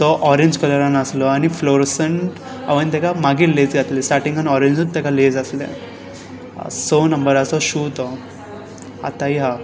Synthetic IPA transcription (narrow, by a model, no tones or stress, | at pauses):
t̪ɔʔɔɾẽɲd͡ʑkələɾanəslɔaɽ̃ifloɾsəɳʈ | a̰ʋənt̪ɛkamaɡiːled͡zɡat̪lesʈaɾʈĩŋɡɔnɔɾeɲd͡ʑut̪ekaled͡zəslḛ | sonəmbəɾasɔɕuːt̪ɔ | a̰t̪aiɦa